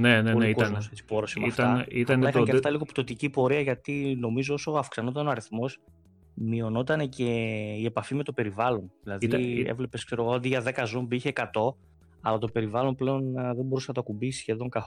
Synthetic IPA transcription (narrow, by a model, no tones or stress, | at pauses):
neneunekuɐnet͡si̥po̞ɾosimɐft̪ɐɐit̪ɐnlɐixɐɐft̪ɐliɣo̞pt̪o̞t̪icipo̞ɾiɐʝɐt̪ino̞mizo̞oso̞ɐfksɐno̞t̪ɐno̞ɐɾiθmo̞s | mio̞no̞t̪ɐne̞ce̞ie̞pɐfime̞t̪o̞pe̞ɾivɐlo̞nðilɐðiḛvle̞pe̞skse̞ɾoɣoɐnd̪iʝɐðe̞kɐzombiçe̞kɐt̪o̞ | ɐ̰lɐt̪o̞pe̞ɾivɐlo̞nple̞o̞nðebo̞ɾusenɐt̪okumbisçe̞ðo̞ŋkɐθ